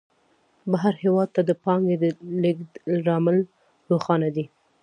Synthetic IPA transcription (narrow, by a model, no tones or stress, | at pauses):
baɦaɾhewɑd̪̚t̪ad̪əpɑŋɡed̪əlɪɡd̪ɾɑmɪl | ɾoxɑnad̪i